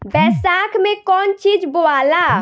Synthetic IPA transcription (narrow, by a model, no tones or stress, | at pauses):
bɛsakʰmekɔnt͡ʃid͡ʒboala